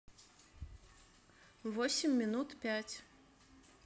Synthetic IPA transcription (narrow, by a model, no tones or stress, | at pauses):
vɔsʲɪmʲːinut̪pʲæt͡sʲ